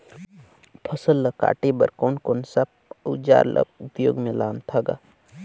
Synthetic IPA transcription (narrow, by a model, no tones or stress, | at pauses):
pʰəsəlːəka̰ːʈebəɾkoːnkoːnsəp̚ | ud͡ʒa̰ːɾlʔə̰bʊpjoːɡmẽlaːnt̪ʰaɡa̰ː